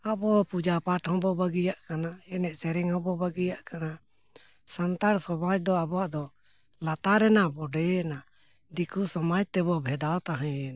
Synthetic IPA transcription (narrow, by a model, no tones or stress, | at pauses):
abɔpud͡ʒapaʈʰɦɔ̃bɔbaɡijaʔkanaɛnɛʔsɛɾɛŋɦɔ̃bɔbaɡijaʔkana | sant̪aɽsɔbad͡ʒd̪ɔabɔaʔd̪ɔ | lat̪aɾɛnabɔɖɛɛna | d̪ikusɔmad͡ʒt̪ɛbɔbʱɛd̪awt̪aɦɛ̃ɛn